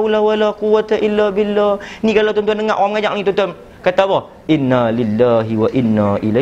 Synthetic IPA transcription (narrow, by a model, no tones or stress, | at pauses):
awlawalaquwːat̪aʔɪlːabɪlːahnikalawt̪ɔnt̪uandəŋaʔoɣamŋad͡ʒakaŋĩt̪ɔnt̪uan | kat̪abɔh | ʔɪnːalɪlːaɦiwaʔɪnːaʔila